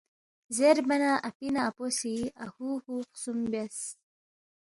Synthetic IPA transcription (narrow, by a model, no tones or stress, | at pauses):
zeɾbɐnaʔapinaːposiahuhuqsumbes